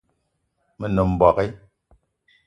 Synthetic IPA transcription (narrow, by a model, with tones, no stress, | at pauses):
mə˨nə˨m̩˨bɔ˨ke˦